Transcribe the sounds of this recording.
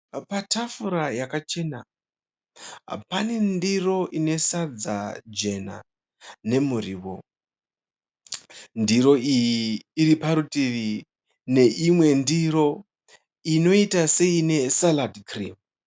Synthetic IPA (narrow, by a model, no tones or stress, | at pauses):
patafuɾajakat͡ʃe̞na | pane̞ndiro̞ʔine̞sad͡za̰d͡ʒe̞na̰ | ne̞muriːwo | ndiɾo̞ijiːɾipaɾutiʋi | ne̞ʔimwe̞ndiɾo̞ | ino̞itase̞ine̞saladkrḭm